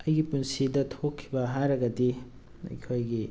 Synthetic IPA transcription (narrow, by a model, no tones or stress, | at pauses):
ɐjɡipunsidɐtʰokʰːibɐɦajɾɐɡɐdi | ɐ̰kʰojɡi